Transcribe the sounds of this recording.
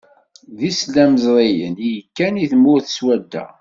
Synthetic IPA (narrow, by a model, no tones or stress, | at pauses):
ðislæməzɾˤejə̰njəkːæniθəmːʊɾθəswæd̪ːæ̰